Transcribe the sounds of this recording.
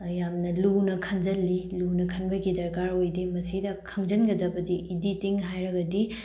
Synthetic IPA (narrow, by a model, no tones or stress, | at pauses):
jamnɐlunɐkʰɐŋd͡ʒɐlːilunɐkʰɐnbɐɡidɐɾɡaɾojdimɐsidɐkʰɐŋd͡ʒɐnɡɐdɐbɐdiʔiditiŋɦajɾɐɡɐdi